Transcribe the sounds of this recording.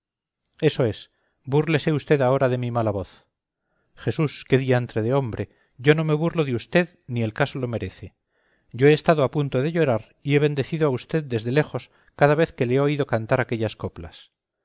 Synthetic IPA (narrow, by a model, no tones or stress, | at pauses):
e̞so̞e̞s | burle̞se̞ust̪e̞ðao̞ɾaðe̞mimalaβo̞θ | χe̞suske̞ðiaent̪ɾeðeo̞mbɾe̞ | ʝo̞no̞me̞βurlo̞ðeust̪e̞ðnie̞lkasolo̞me̞ɾe̞θe | ɟ͡ʝo̞e̞ːst̪aðoapunt̪oðeʝo̞ɾaɾ | ie̞β̞e̞nd̪e̞θiðoaust̪e̞ðd̪e̞zðe̞le̞xo̞s | kaðaβ̞e̞θke̞leeoiðo̞kant̪aɾake̞ʎasko̞pla̰s